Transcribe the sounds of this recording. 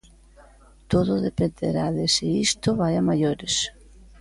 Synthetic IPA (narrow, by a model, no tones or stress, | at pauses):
t̪oðʊðepend̪ḛɾaðesiist̪oβajamajoɾes